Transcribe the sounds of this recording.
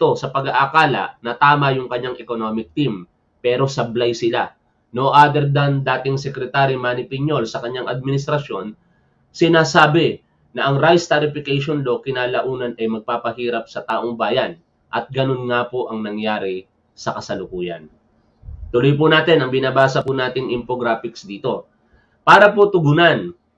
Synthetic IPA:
t̪o̞sɐpɐɡaʔakaːlɐ̰ʔnɐt̪aːmɐjʊŋkɐɲaŋʔɛko̞no̞mɪk̚t̪im | pɛːɾo̞sɐblajsɪla | noʔad̪ɛɾd̪and̪aːt̪ɪŋsɛkɾɛt̪aːɾimaːnɪpɪɲo̞lsɐkɐɲːaŋʔɐd̪̚mɪnɪst̪ɾɐʃjo̞n | sɪnaːsaːbɪ | nɐʔɐŋɾajst̪ɐɾɪfɪkɛjʃonlo̞kɪnaːlɐʔuːnɐnɐjmɐɡ̚paːpɐɦiːɾɐp̚sɐt̪aːʔoŋbaːjɐn | ʔɐt̪̚ɡɐno̞nŋapoʔɐŋnɐŋjaːɾɪ | sɐkɐsɐlʊkuːjɐ̰n | t̪ʊlojp̬ʊnaːt̪ɛnɐŋbɪnaːbaːsɐpʊnaːt̪ɪŋʔɪmpoɡɾaːfɪksd̪iːt̪o̞ | paːɾɐpot̪ʊɡʊnan

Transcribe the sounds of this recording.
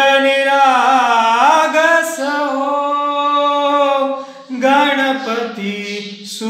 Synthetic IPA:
niɾa | ɡɐsɐɦo | ɡaɳɐpɐt̪i | su

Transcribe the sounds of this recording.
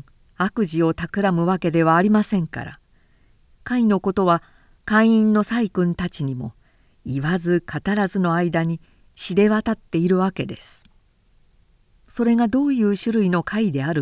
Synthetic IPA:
akɯ̟ʑio̞t̪akɯ̟ɾamɯ̟βake̞d̪e̞β̞aːɾʲimasẽ̞ŋka̰ɾa̰ | kaino̞ko̞t̪o̞βa | kãɰ̃ĩnːo̞saikɯ̟̃nt̪at͡ɕiɲ̟imo̞̰ | iβazɨkʰat̪aɾazɨno̞aid̪aɲ̟i | ɕid̪e̞βat̪at̪ːe̞iɾɯ̟βake̞d̪e̞sɨ̥ | so̞ɾe̞ŋad̪o̞ːjɯ̟ːɕɨɾɯ̟ino̞kʰaid̪e̞aɾɯ

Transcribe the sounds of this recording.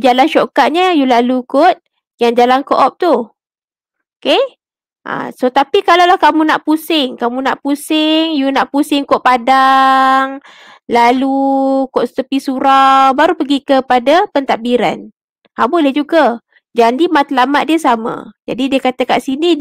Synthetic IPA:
d͡ʒalanʃokaʔ̚ɲəjulalukot̪̚ | jaŋd͡ʒalankoʔɔp̚t̪u | oke | ʔa̰sot̪apikalawlahkamũnaʔpusɪŋkamũnaʔpusɪŋjunaʔpusɪŋkoʔpadaŋ | lalukoʔst̪əpisuɾabaɾupəɡikəpadapənt̪aʔbiɾa̰n | habodəd͡ʒuɡa | d͡ʒandimat̪lamat̪̚diəsamã̰d͡ʒa̰didiəkat̪əkaʔsini

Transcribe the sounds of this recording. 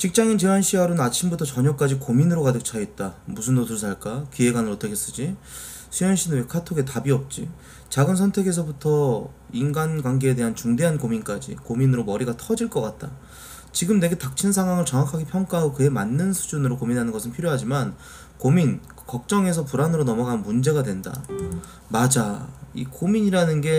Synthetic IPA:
t͡ɕik̚t͡ɕ͈aŋint͡ɕiɾwanɕʰiaɾonnat͡ɕʰimbutʰʌt͡ɕʌɲʌk͈ad͡ʑikominɯɾokadɯk̚t͡ɕʰaet̚t͈amusʰɯnːoduɭs̬ʰaɭk͈akie̞ɡanɯɾʌtʰʌkʰes͈ɯd͡ʑi | sʰujʌnɕʰinɯnwekʰatʰoɡe̞tabiʌp̚t͡ɕ͈i | t͡ɕaɡɯnsʰʌntʰe̞ɡe̞s̬ʰʌbutʰʌ | inɡanɡkwanɡe̞ːde̞ɦant͡ɕuŋde̞ɦankomink͈ad͡ʑḭkominɯɾomʌɾiɡatʰʌd͡ʑiɭk͈ʌk͈at̚t͈a̰ | t͡ɕiɡɯmne̞ɡe̞tak̚t͡ɕʰinnsʰaŋɦwaŋɯɭt͡ɕʌŋakʰaɡipʰjʌŋk͈aɦaɡokɯe̞manːɯnsʰu̥d͡ʑunɯɾokominɦanɯnɡʌsʰɯnpʰiɾjoɦad͡ʑiman | komin | kʌk̚t͡ɕ͈ʌŋe̞sʰʌpuɾanɯɾonʌmʌɡanɯnmund͡ʑe̞ɡadwe̞nda̰ | mad͡ʑaikomiɲiɾanɯnɡe̞

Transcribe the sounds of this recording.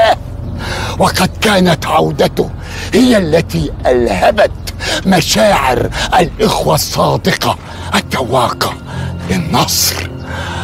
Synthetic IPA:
wɑqɑd̪kaːnat̪ʕawd̪at̪ʊ | hɪjːaʔlːat̪iːʔalhabat̪maʃaːʕɪ̰ɾʔalʔɪxwasˤːɑːd̪ɪqɑ | ʔat̪ːawɑːqɑ | lɪnːɑsˤɾ

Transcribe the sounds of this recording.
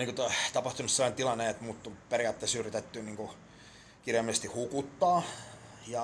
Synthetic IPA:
niːŋkot̪ot̪ɑpɑht̪unːuselːɑnt̪ilɑnːeet̪muːt̪ːuperiɑt̪ːesyːrit̪et̪ːyniːŋku | kirjɑmːisest̪ihukut̪ːɑː | jɑ

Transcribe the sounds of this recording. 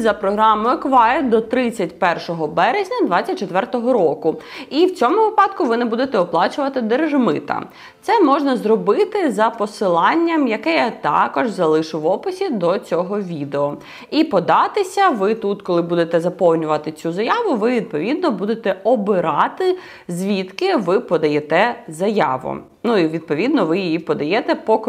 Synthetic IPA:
zɐpɾɔɦɾɑmɔjʊkʋɑd̪ɔt̪ɾɪt͡sʲːɐtʲpɛrʃɔɦɔbɛɾezʲnʲɐd̪ʋɑt͡sʲːɐt̚ʲt͡ʃːet̪ʋɛrt̪ɔɦɔɾɔkʊiwt͡sʲɔmʊʋɪpɑd̪kʊʋɪnɛbud̪et̪ɛɔplˠɑt͡ʃʊʋɐt̪ɪd̪erʒmɪ̰t̪ɐ̰ | t̪sɛmɔʒnɐzrɔbɪt̪ɪzɐpɔsɪlˠɑnʲːɐmjɐkɛjat̪ɑ̰kɔʒzɐlˠɪʃʊʋɔpɪsʲid̪ɔt͡sʲɔɦɔʋʲid̪eɔ | ipɔd̪ɑt̪ɪsʲɐʋɪt̪ut̪kɔlˠɪbud̪et̪ɛzɐpɔwnʲʊʋɐt̪ɪt͡sʲuzɐjɑʋʊʋɪʋʲid̪̚pɔʋʲid̪nɔbud̪et̪ɛɔbɪɾɑt̪ɪ | zʲʋʲit̪kɪʋɪpɔd̪ɐjɛt̪ɛzɐjɑ̰ʋʊ̰ | nuiʋʲid̪̚pɔʋʲid̪nɔʋɪjijipɔd̪ɐjɛt̪ɛpɔk

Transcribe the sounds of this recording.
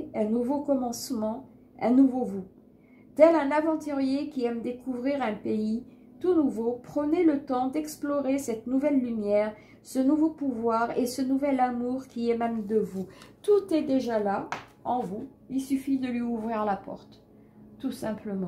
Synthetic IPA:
ɛ̃nuvokɔmɑ̃smɑ̃ | ɛ̃nuvovu | d̪̥ɛlɛ̃navɑ̃t̪yʁjekʲiɛmd̪ekuvʁiʁɛ̃pei | t̪unuvopχənelət̪ɑ̃d̪ɛksplɔʁesɛt̪nuvɛlːymjɛʁ | sənuvopuvwaʁesənuvɛlamuʁkʲiɛmɛmd̪əvut̪ut̪ɛd̪eʒala | ɑ̃vu | ilsyfid̪əlɥiuvʁiʁlapɔ̰ʁt̪ː | usɛ̃pləmɑ̃

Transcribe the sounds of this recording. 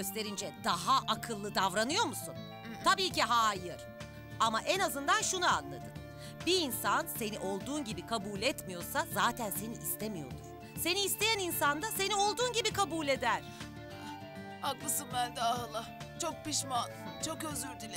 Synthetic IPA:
øst̪ʰe̞ɾind͡ʒɛd̪̥aɦaʔakʰɯlˠːɯd̪avɾanɯjo̞ɾmusun | t̪ʰabiːciɦaːjɯɾ̥ | amaʔenazɯnd̪anʃunua̰nlˠa̰d̪ɯ | biːnsanse̞niʔo̞lˠd̪uːnɟibikʰabuːlʲɛt̪mijo̞ɾsazaːt̪ʰænse̞niʔist̪ʰemijo̞̰ɾd̪uɾ̥ | se̞niːst̪e̞jæninsand̪ase̞nio̞lˠd̪uːnɟibikʰabuːlʲe̞d̪æɾ̥ | aklˠɯsɯnbænd̪ahalˠːa | t͡ʃʰok̚piʃmant͡ʃʰo̞køzyɾd̪ilʲ

